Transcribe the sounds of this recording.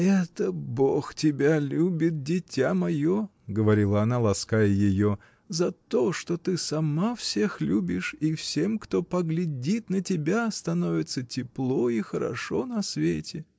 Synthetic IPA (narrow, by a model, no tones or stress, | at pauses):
ɛt̪əboxtʲɪbʲalʲubʲɪt̪̚dʲɪtʲamɐjo | ɡəvɐɾʲilˠəɐnalˠɐskajəjɪjo̞ | zɐt̪o̞ʂt̪ot̪ɨsɐmafsʲe̞xlʲubʲɪʂifsʲe̞mkt̪o̞pəɡlʲɪdʲit̪nətʲɪbʲast̪ɐno̞vʲɪt̪sətʲɪplˠoixəɾɐ̰ʂonɐsvʲetʲɪ